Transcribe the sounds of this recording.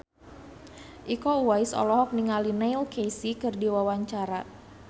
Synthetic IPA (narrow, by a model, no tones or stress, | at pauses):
ʔikɔuwajsɔ̰lɔɦɔk̚niŋalinailkejsikɨrdiwawaɲt͡ʃaɾa